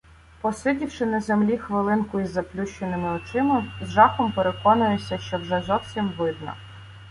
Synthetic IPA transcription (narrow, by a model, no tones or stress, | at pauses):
pɔsɪdʲiwʃɪnɐzemlʲixʋɪlˠɪnkʊizːɐplʲuʃt͡ʃenɪmɪɔt͡ʃɪmɪzʒɑxɔmpeɾekɔnʊjesʲɐʃt͡ʃɔwʒɛzɔwsʲimʋɪd̪̚nɐ̰